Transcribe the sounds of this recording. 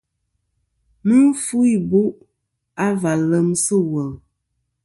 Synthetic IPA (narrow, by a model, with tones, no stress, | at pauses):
mɨ˦fu˦i˦˨bu˦ʔ | a˦va˨lə˨msə˦wə˨ŋ